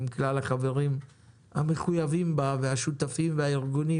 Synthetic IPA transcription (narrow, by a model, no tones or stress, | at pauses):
mklalaχave̞ʁim | ha̰me̞χujavimbaveaʃut̪afimveaiʁɡuni